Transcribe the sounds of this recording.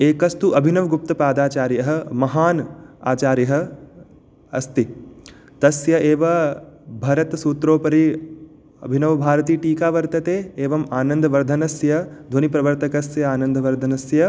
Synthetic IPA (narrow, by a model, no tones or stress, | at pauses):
eːkɐst̪uʔɐbʱinɐʋɡup̚t̪ɐpaːd̪aːt͡ʃaːɾjɐɦɐ̆mɐɦaːna̰ːt͡ʃaːɾjɐɦɐ̆ | ɐ̰st̪i | t̪ɐsjɐʔeːʋɐbʱɐɾɐt̪suːt̪ɾoːpɐɾi | ɐ̰bʱinɐʋɐbʱaːɾɐt̪iːʈiːkaːʋɐɾt̪ɐt̪eːeːʋɐmaːnɐnd̪ʱɐʋɐɾd̪ʱɐnɐsjɐd̪ʱonipɾɐʋɐɾt̪ɐkɐsjɐaːnɐnd̪ʱɐʋɐɾd̪ʱɐnɐsjɐ